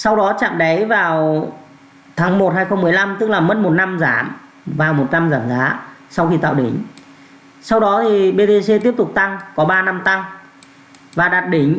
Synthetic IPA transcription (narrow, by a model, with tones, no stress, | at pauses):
sa˧wɗɔ˨˦t͡ɕa̰ː˧˨mɗə˨˦jvaː˨˩w | t̪ʰaː˨˦ŋmo˨˩t̚haː˧jxə˧wŋ͡mmɨ˨˩əjla˧mt̪ɨ˦˥k̚laː˨˩mə˦˥t̚mo˨˩t̚na˧mzaː˧˩m | vaː˨˩wmo˨˩t̚na˧mzaː˧˩mzaː˨˦sa˧wxi˧t̪a̰ː˧˨wɗï˨˩˦ŋ̟ | sa˧wɗɔ˨˦t̪ʰi˨˩ɓe˧t̪e˧se˧t̪i˦˥əp̚t̪ʊ˨˩k͡p̚t̪a˧ŋkɔ˨˦ɓaː˧na˧mt̪a˧ŋ | vaː˨˩ɗaː˨˩t̚ɗï˨˩ŋ̟